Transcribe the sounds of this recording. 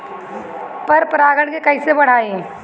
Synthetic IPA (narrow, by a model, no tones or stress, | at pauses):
pɐɾpɾaːɡəɽkekɐisebɐɽ̤aːe